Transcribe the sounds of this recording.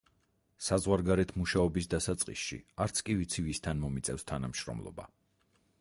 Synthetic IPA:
sazʁwaɾɡaɾɛt̪ʰmuʃaɔbisd̪asat̪sʼqʼḭsʃḭaɾt̪sʰkʼivit̪sʰivist̪ʰanmɔmit̪sʼɛfst̪ʰanamʃɾɔ̰mlˠɔ̰ba̰

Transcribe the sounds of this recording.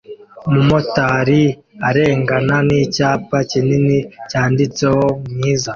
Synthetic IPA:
mumo̞taːɾi | aɾe̞ːŋɡananicaːpacininicaːndit͡seho̞mɲiːza

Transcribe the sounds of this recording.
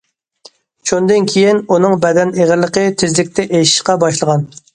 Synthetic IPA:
t͡ʃʰund̪ɪnkʲʰijinunɨŋbɛd̪ɛneʁɪɾlːˠəqət̪ʰɪzlɪkʲt̪ʰɛʔeʃi̥ʃqɑbɑʃlˠəʁɑn

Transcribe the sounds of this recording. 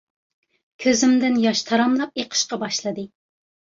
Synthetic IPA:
kʲʰøzɪmd̪ɪnjɑʃt̪ʰɑɾɑmlˠɑpeqʰə̥ʃqɑbɑʃlˠɨd̪ɨ

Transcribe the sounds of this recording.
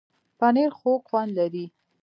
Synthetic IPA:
paneɾxokxwand̪laɾi

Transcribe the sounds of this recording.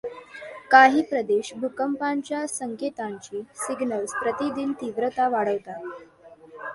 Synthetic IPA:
kaɦiːpɾəd̪eɕbʱukəmpaɲt͡ɕjasəŋket̪aɲt͡ɕiːsiɡnəlspɾət̪id̪int̪iʋɾət̪aʋaɽəʋt̪a

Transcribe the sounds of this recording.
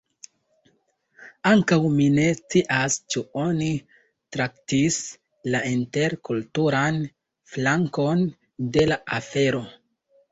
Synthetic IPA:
aŋkawmine̞st͡siʔast͡ʃuo̞ni | tɾaktis | lainte̞ɾkultuɾan | flaŋko̞n | de̞laafe̞ɾo̞

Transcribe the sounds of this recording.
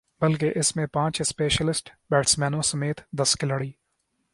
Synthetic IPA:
bɐlkeʔɪsmẽpãːt͡ʃɪspeːʃəlɪsʈbɛːʈsmɛːnõsɐmeːt̪d̪ɐskɪləɽiː

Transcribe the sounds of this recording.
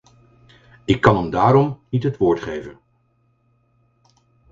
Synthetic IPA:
ɪkːɑnəmdaːɾɔmnitɦətʋʊːɹtχejvən

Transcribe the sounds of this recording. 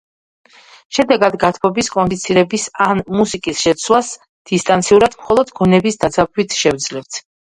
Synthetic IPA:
ʃɛd̪ɛɡad̪ɡat̪ʰmɔbiskʼɔnd̪it̪sʰiɾɛbisanmusikʼisʃɛt̪sʰwas | d̪̥ist̪ʼant̪sʰiuɾad̪̥mχɔlˠɔd̪ɡɔnɛbisd̪azab̚it̪ʰʃɛvd̪zlɛpt̪ʰ

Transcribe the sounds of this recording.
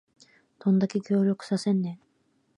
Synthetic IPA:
t̪ʰond̪akʲekʲo̞ːɾʲo̞kɯ̟̥sase̞nːe

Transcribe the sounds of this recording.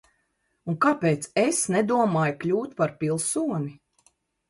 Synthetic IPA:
uŋkapeːt̪sesnɛd̪uɔmaːjklʲuːt̪paɾpʲilˠsuɔni

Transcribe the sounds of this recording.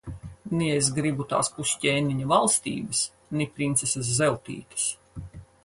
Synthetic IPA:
niesɡɾibut̪a̰ːspusʲcʲɛːniɲɐvalˠst̪ḭːbɐs | nipɾint̪sesas̬ːɛwt̪ḭːk̪ɐ̥s

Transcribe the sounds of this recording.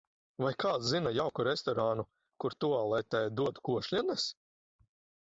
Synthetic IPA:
vajkʰaːt̪zinajawkuɾest̪ɔɾaːnu | kuɾt̪ualˠɛt̪ɛːd̪uɔt̪u̥kuɔʃlʲines

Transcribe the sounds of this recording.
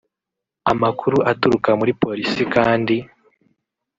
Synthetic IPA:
amakʰuɾuʔatuɾukamuɾipo̞ɾisikaːndi

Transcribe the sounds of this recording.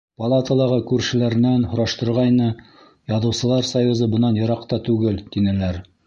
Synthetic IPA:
pɑlˠat̪ɑlˠɑʁɤkʉɾʃɘ̆læɾɘ̆nænhŏɾɑʃt̪ɤ̆ɾʁɑjnɤ | jɑðɤ̆wsɤ̆lˠɑɾsɐjːuzɤbɤ̆nɑnjɤ̆ɾɑqt̪ɑt̪ʉɡɘlt̪inælæɾ

